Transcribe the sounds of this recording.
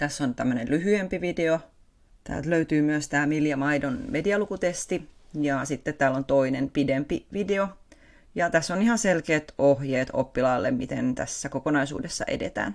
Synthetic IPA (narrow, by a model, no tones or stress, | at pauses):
t̪æsːont̪æmːønellyhyempiʋideo | t̪ʰæ̰ːlt̪løyt̪yːmyøst̪æːmiljɑmɑidonmediɑlukut̪est̪ijɑsit̪ːet̪t̪æːlont̪oinenpidempiʋideo | jɑt̪æsːonihɑnselkeːt̪ohjeːt̪o̰pːilɑːlːḛmmit̪ent̪æ̰sːækokonɑisṵːdesːɑ̰ʔḛdḛt̪æ̰ːn